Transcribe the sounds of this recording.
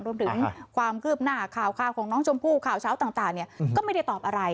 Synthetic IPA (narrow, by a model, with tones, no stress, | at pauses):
ŋɾu˧əmt̪ʰɯ˩˦ŋkʰwaː˧mkʰɯː˥˩p̚naː˥˩kʰaː˨˩wkʰaː˧˩wkʰɔː˩˦ŋnɔː˦˥ŋt͡ɕʰo˧mpʰuː˥˩kʰaː˨˩wt͡ɕʰaː˦˥wt̪aː˨˩ŋt̪aː˨˩ŋni˥˩ɐkɔː˥˩ma˥˩jda˥˩jt̪ɔː˨˩p̚ʔa˧ɾa˧j